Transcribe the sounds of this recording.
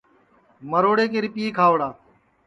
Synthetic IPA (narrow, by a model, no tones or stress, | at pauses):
məɾoːɽeːkeːɾɪpiːeːkʰaːʋɽaː